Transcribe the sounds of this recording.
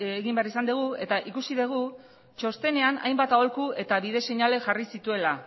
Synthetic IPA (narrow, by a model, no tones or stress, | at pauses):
eɣimbearisand̪eɣ̞ue̞t̪aʔikusiðeɣ̞u | t͡ʃo̞st̪e̞ne̞ana̰jmbat̪aolkue̞t̪aβiðe̞se̞ɲale̞ʝarisit̪ue̞la